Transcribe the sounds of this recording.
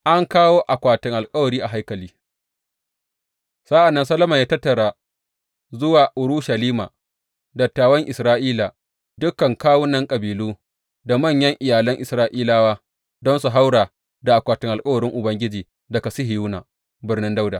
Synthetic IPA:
ʔa˦ŋkaː˦woː˦ʔa˨kʷaː˨tɪ˨ŋʔa˨lkʼɐ˦wɐ˨ɾiː˦ʔa˨ɦa˦jkɐ˨liː˦ | sa˦ʔa˨nːɐ˦nsɐ˦lɐ˦mɐ˨ɲjaː˦tɐ˦tːɐ˨ɽaː˨ | zʊ˦waː˨ʔʊ˨ɾu˦ʃɐ˨liː˦ma̰ː˨ | dɐ˨tːaː˨wɐ˦ŋʔɪ˨sɾaː˦ʔiː˦la˨ | dʊ˦kːɐ˨ŋkaː˦wʊ˦nɐ˦ŋkʼɐ˨biː˨luː˦ | da˨mɐ˦˨ɲjɐ˦ŋʔɪ˨jaː˨lɐ˦ŋʔɪ˨sɾaː˦ʔiː˦laː˦waː˦ | dɔ˦nsu˨ɦa˦wɽaː˨ | da˨ʔa˨kʷaː˨tɪ˨ŋʔa˨lkʼɐ˦wɐ˨ɾɪ˦ŋʔʊ˨bɐ˦ŋɡʲɪ˦d͡ʒiː˨ | dɐ˨ka˨sɪ˦hɦɪ˨juː˦na̰ː˨ | bɪ˦rnɪ˦nda˦wda˨

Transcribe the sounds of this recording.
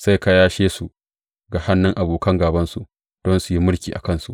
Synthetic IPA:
sa˦˨jka˦jaː˦ʃeː˦su˨ʔ | ɡa˨ha˦nːɪ˦ŋʔa˨boː˨kɐ˦ŋɡaː˨bɐ˦nsu˨ | d̥ɔ˦nsu˨ji˦mʊ˦ɽkʲiː˨ʔa̰˨kɐ˦˨nsu˨ʔ

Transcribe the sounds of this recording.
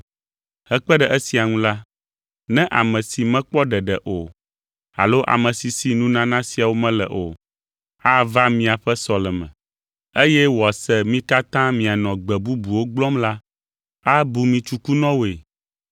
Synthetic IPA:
hɛ˦k͡pɛ˦ɖɛ˨ʔɛ˦si˨a˨ŋũ˦la˦ | nɛ̃˦ʔa˨mɛ̃˨si˨mɛ̃˦k͡pɔ˦ɖɛ˨ɖɛ˨ʔo˨ | a̰˨lo˦ʔa̰˨mɛ̃˨si˨si˨nũ˦nã˦nã˦si˨a˨wo˦mɛ̃˦lɛ̰˨ʔo̰˨ | a˦va˦mĩ˨a˨ɸɛ˦sɔ˨lɛ˨mɛ̰̃˨ | e˦jɛ˦wsɛ˦mĩ˦ka˦t̪ã˦mĩ˨a˨nɔ̃˨ɡ͡bɛ˨bu˦bu˨wo˦ɡ͡blɔ˦mla˦ | a˦bu˨mĩ˨t͡ʃu˦ku˦nɔ̃˦wo˨e˨

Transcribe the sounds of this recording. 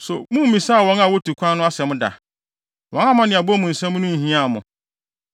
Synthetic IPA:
sʊ̰˨mũ˦m̩˦mĩ˨sa˦a˨wɔ̃˦na˨wɔ˦tʰu˨kʷʰã˦nːʊ̃˦a˦sɛ˨mʊ̃˦da̰˨ | wɔ̃˦na˦mã˦nɪ̃˨a˨ba˦˨mũ˨n̩˨sɛ̃˦m˦nʊ̃˦˨hĩ˦a˦˨mʊ̃˨

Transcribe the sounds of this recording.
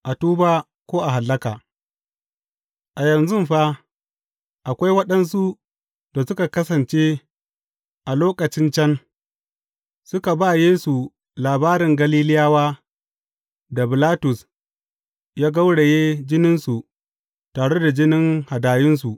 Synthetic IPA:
ʔa˨tuː˦baː˦ | kʷoː˦ʔa˨ɦa˨lːɐ˦kaː˨ | ʔa˨jɐ˨nzʊ˦mɸa˦ | ʔa˨kʷa˦jwɐ˦ɗɐ˦ns̬u˦ | da˨sʊ˦ka˨kɐ˦sɐ˨nt͡ʃeː˦ | ʔa˨loː˦kʼɐ˨t͡ʃɪ˦nt͡ʃɐ˦n | sʊ˦ka˨ba˦jeː˦su˨ | laː˨baː˦ɾɪ˨ŋɡɐ˦liː˦lɪ˦jaː˦waː˦ | da˨bɪ˨laː˦tʊ˨s | jaː˦ɡa˦wɽe˨jeː˦d͡ʒɪ˦nɪ˦nsu˨ | taː˨ɽe˦da˨d͡ʒɪ˦nɪ˦ŋha˨daː˨jɪ˦ns̬u˨ʔ

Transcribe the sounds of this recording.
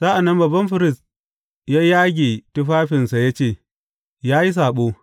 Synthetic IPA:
sa˦ʔa˨nːɐ˦mbɐ˨bɐ˦mɸɪ˦ɾɪ˦˨s | jaː˦jaː˦ɡʲeː˨tʊ˦ɸaː˦ɸɪ˨nsa˨ja˦t͡ʃeː˦˨ | jaː˦ji˦s̬aː˨ɓoː˦

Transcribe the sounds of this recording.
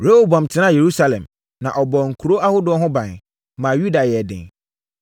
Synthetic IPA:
ɾe˦wo˨bã˨m˨tʰɪ˦nã˦˨je˨ɾu˦sa˦lɛ̰̃˨m | nã˨ʔɔ˨bɔ˨ŋ̩˨kʰu˨ɾo˦ʔa˦hʊ˦dʊ˨˦ɔ˦ɦʊ̃˦bã˨n | mã˨ju˦da˨jɛ˨dɪ̰̃˨ŋ

